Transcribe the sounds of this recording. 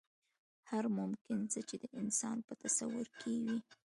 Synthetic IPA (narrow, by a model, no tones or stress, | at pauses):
haɾmʊmkɪnt͡sət͡ʃed̪əʔɪnsɑnpət̪asawʊɾkewi